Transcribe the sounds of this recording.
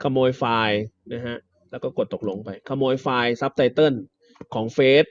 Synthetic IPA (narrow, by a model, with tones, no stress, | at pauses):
kʰa˧mːoː˧jfaː˧jna˦˥kʰa˦˥ʔ | lɛ˦˥wkɔː˥˩ko˨˩t̪ːo˨˩k̚lo˧ŋpa˧jkʰa˧mːoː˧jfaː˧jsa˦˥p̚t̪ʰa˧jt̪ɤ˥˩n | kʰɔː˩˦ŋfeː˦˥t̪̚